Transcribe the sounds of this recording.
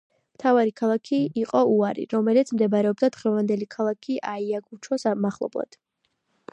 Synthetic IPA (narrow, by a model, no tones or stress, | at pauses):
mt̪ʰavaɾikʰalˠakʰiːqʼɔuaɾḭɾɔmɛlit̪sʰmd̪ɛbaɾɛɔb̚d̪ad̪̥ʁɛvand̪ɛlikʰalˠakʰiʔaiaɡʰʼut͡ʃʰɔsamaχlˠɔ̰blˠa̰d̪̥